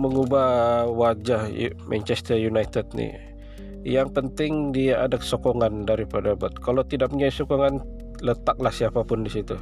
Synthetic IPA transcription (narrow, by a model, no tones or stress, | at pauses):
məŋubahwad͡ʒahmʔɛ̰nt͡ʃɛst̪ərjunajt̪ɛd̪̚nḭ | jaŋpənt̪ɪŋdiaʔadakə̥sokɔŋandaɾipadabat̪̚kalat̪idaʔk̚pəɲaisɔkɔŋan | lət̪ak̚lahsiapapʊndisit̪u